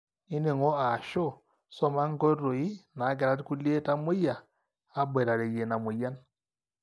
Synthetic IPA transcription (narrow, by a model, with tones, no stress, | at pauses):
ɪ˦ne˨ŋɔ˦a˨ʃo˦˨ | sɔ˦ma˦ŋ˦ɡo˦ɾo˨i˦na˨˦ɡ̬ɛ˨ɾa˦tku˦lje˦ta˦mʊ˦jaː˨˦ | be˨ɾa˨ɾe˨je˨na˨mʊ˨ja˦n